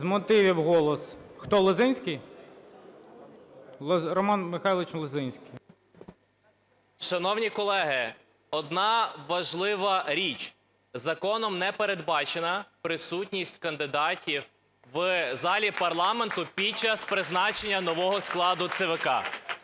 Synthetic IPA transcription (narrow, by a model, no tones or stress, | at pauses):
zmɔt̪ɪʋʲiwɦɔlˠɔsxt̪ɔlˠɪzɪnʲsʲkij | ɾɔmɑnmɪxɑjlˠɪt͡ʃnlˠɪzɪnʲsʲkij | ʃɐnɔwnʲikɔlˠɛɦɪ | ɔd̪nɑʋɐʒlˠɪʋɐɾʲit͡ʃ | zɐkɔnɔmnɛpeɾed̪bɑt͡ʃenɐpɾɪsutʲnʲisʲtʲkɐnd̪ɪd̪ɑtʲiw | ʋzɑlʲipɐrlˠɑment̪ʊpʲid̚t͡ʃɐspɾɪznɑt͡ʃenʲːɐnɔʋɔɦɔsklˠɑd̪ʊt̪seʋekɑ